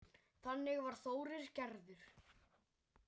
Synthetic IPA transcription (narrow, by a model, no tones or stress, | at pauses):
θanːɪɣvaɾ̥θoːwɾɪɾ̥cɛɾðʏɾ̥